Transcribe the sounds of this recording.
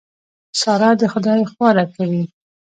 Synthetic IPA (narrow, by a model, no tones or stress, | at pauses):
sɑɾɑd̪əxʊd̪ɑjxwɑɾakawi